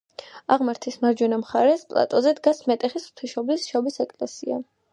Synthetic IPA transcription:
aʁmaɾt̪ʰismaɾd͡ʒɛnamχaɾɛspʼlˠa̰t̪ʼɔzɛd̪ɡasmɛt̪ʼɛχisχt̪ʰiʃɔblisʃɔbisɛkʼlɛsia̰

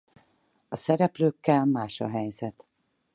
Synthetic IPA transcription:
ɒsɛɾɛpløːkːɛlmaːʃɒ̰ɦɛjzɛt̪

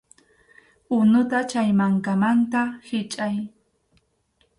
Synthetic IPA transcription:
ʊnʊt̪at͡ʃajmaŋkamant̪ahɪt͡ʃʼaj

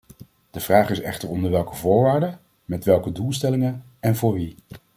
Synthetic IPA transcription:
d̥əvraːχɪsɛ̰χtəɹɔndəɹʋɛlˠkəvʊːɹʋaːɹdə | mɛtʋɛlˠkədulˠstɛlɪŋən | ɛnvʊːɹʋi

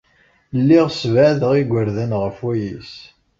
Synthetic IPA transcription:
lːiʁsvæðəʁiɡʷəɾðænʁəfwæjḭs

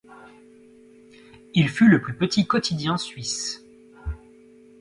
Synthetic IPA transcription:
ilfyləplypət̪ikɔt̪ʰid̪jɛ̃sɥis

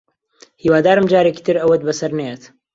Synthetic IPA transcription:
hiːwaːd̪aːɾɨmd͡ʒaːɾeːki̥ːt̪ɨɾɐwɐt̪̚bɐsɐɾnejet̪

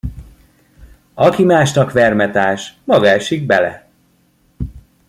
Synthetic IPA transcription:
ɒkimaːʃnɒkʋɛrmɛt̪aːʃmɒɡaːʃiɡ̚bɛlɛ̰

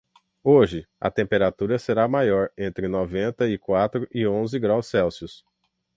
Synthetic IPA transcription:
oʒɪ | ɐ̰t̪ẽmpeɾat̪uɾɐseɾamajɔɾẽnt̪ɾɪnɔvẽnt̪ɐɪkwat̪ɾʊʔɪõzɪɡɾawsɛwsiʊs

